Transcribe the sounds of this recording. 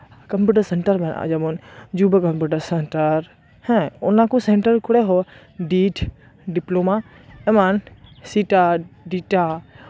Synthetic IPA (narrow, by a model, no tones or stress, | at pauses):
kɐmpuːʈəɾseɳʈəɾbɐna̰d͡ʒabond͡ʒubəkɐmpuːʈəɾseɳʈəɾ | hɛ̃ʊnãkuseɳʈəɾkʊɽeɦo | ɖiːʈʰ | ɖiploma | emansiʈaɖiʈa